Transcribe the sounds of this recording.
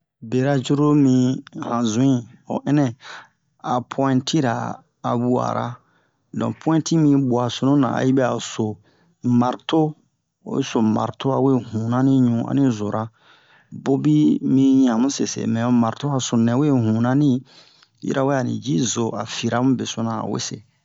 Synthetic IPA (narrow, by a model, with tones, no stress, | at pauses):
be˨ɾa˦d͡ʒu˦ɾo˦mĩ˧hã˨zũ˨ĩ˦o̰˨ʔɛ̃˦nɛ̃˦ | a˨pʰwɔ̃˦ɛ̃˦ntʰi˦ɾa̰ː˨ | bu˦a̰˨ɾʔa̰˦ | dɔ̰̃˨pʰw̃ɛ̃˦ntʰi˦mĩ˧bwa˨so˨nũ˦nã̰˨a˨ji˦bɛ˦a˨so˨ | ma˨ɾto˦ | o̰˨wḭ˦so˨ma̰˨ɾto˦a˨we˦hũ˨nã˦nĩ˦ɲũ˨a̰˨nĩ˦zo˨ɾʔa˦ | bo˦bi˦mĩ˧ɲ˦ã˨mũ˦sḛ˨sḛ˨mɛ̃˨o˨˦ma˨ɾto˦a˨so˨nɛ̃˨we˦ɦũ˨nã˦nĩ˦ | jḭ˦ɾʔa˦we˦a˨nḭ̃˨d͡ʒi˦zo˨a˨fi˨ɾa˦mũ˦be˨so˦nã˨a̰˨wḛ˦sḛ˨